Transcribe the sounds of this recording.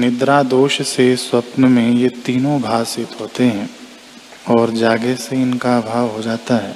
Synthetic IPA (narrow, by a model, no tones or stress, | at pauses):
nɪd̪ɾaːd̪oːʃseswɐpnəmẽjet̪iːnõbʱaːsɪt̪ɦoːt̪eɦɛ̃ː | ɔːɾd͡ʒaːɡeseɪnkaːbʱaːʋɦod͡ʒaːt̪aɦɛː